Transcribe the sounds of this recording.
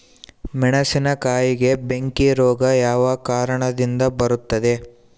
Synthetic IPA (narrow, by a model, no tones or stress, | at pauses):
mɛɳɐsinɐkaːjiɡe̞be̞ŋkiɾɔːɡɐjaːʋɐkaːɾɐɳɐd̪ind̪ɐbɐɾut̪ːɐd̪e̞